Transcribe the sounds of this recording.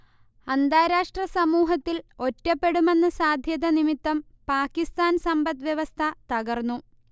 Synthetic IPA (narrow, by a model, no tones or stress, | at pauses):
ɐnd̪aːɾaːʂʈrɐsɐmuːɦɐt̪ːilo̞tːɐpːe̞ɽume̞nːɨsaːd̪ʱjɐðɐnimit̪ːɐm | paːkːist̪aːnsɐmbɐt̪ʋjɐʋɐst̪ʰɐt̪ɐɣɐrnːu